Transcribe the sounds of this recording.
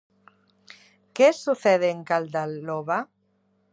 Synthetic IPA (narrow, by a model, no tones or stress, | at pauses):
kesuθeɛðeŋkald̪aloβa